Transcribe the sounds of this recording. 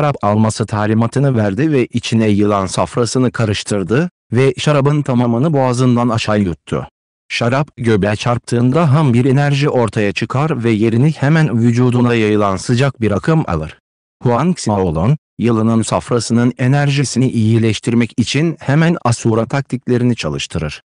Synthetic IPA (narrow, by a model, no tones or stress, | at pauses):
ʃaɾapalˠmasɯt̪ʰaːlʲimat̪ʰɯnɯvæɾd̪ivɛʔit͡ʃʰinɛjɯlˠansafɾasɯnɯkʰaɾɯʃt̪ʰɯɾd̪ɯ | vɛʃaɾabɯnt̪ʰamamɯnɯbuazɯnd̪anaʃajjut̪ʰːʊ̰ | ʃaɾapɟøbɛt͡ʃʰaɾp̚t̪ʰɯːnd̪aɦambiɾe̞næɾʒiʔo̞ɾt̪ʰajat͡ʃʰɯkʰaɾvɛje̞ɾinihɛmænvyd͡ʒuːd̪unajajɯlˠansɯd͡ʒak̚biɾakʰɯma̰lˠɯɾ̥ | huanksimao̞lˠan | jɯlˠɯnɯnsafɾasɯnɯne̞næɾʒisiniʔijilʲɛʃt̪ʰiɾmɛcit͡ʃʰinhɛmænasuɾat̪ʰak̚t̪ʰiclʲe̞ɾinit͡ʃʰalˠɯʃt̪ʰɯɾɯɾ̥